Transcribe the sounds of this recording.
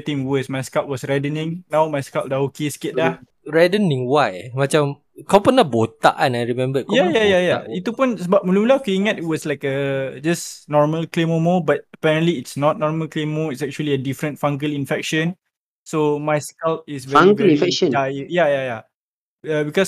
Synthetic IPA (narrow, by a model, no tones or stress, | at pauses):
t̪ĩŋwəsmajskalt̚wɔsɹɛdənĩŋnãwmajskal̚daokeskɪt̪̚lah | ɹɛdənĩŋwajmat͡ʃam | kawpənahbot̪a̰ʔanajɹimɛ̃mbəkjajajajait̪upunsəbap̚mulumulakuiŋatit̚wɔslajkəd͡ʒasnɔɹməlklemomɔbat̚əpɛɹə̃ntliːtsnɔt̪̚nɔɹməlklemoitsɛk̚t͡ʃuəliədifɾə̃ntfãŋɡəlinfɛk̚ʃə̃n | somajskalt̚isvɛaŋɡəlĩnfɛkʃə̃najajaja | abikɔs